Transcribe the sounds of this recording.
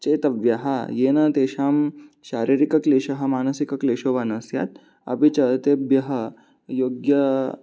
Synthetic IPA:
t͡ʃeːt̪ɐʋjɐɦɐjeːnɐt̪eːʃaːmʃaːɾiːɾikɐkleːʃɐɦɐ̆maːnɐsikɐkleːʃoːʋanɐsja̰ːt̪̚ | ɐ̰bit͡ʃɐt̪ebjɐɦɐ | joːɡjɐ

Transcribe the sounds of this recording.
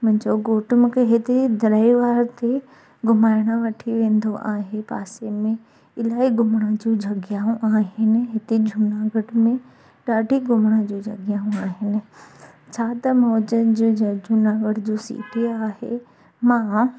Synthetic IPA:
mɐ̃ɦɪ̃ɲd͡ʑoɡoːʈʊmkʰeɦɪt̪ed̪ʱɐɾaːiʋaːɾt̪e | ɡʊmaːɪɽ̃aʋɐʈʰiʋẽːnd̪oʔaːɦepaːsemẽ | ɪlaːiɡʱʊmɽ̃ad͡ʑuːd͡ʑʱɐɡjaːũʔaːɦɪnɪ̆ɦɪt̪ed͡ʑʱʊnaːɡəɽmẽ | ɗaːɖʱiɡʊmɽ̃ad͡ʑuːd͡ʑʱɐɡɪjaːɦũaːɦɪnɪ̆t͡ɕʰaːt̪ɐmɔːd͡ʑəd͡ʑd͡ʑʱunaːɡəɽd͡ʑoːsḭːʈeaːhḛ | mãː

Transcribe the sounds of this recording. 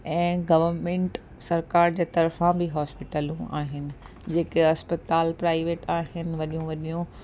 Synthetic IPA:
ɛ̃ːɡɐʋəɾmẽːɳʈ | sɐɾkaːɾd͡ʑeːt̪ɐɾfãbɪɦaːspɪʈəlũa̰ːɦɪnɪ̆ | d͡ʑeːkeɐspət̪aːlpɾaːɪʋeːʈaːɦɪnɪ̆ʋɐɗijũʋɐɗijũ

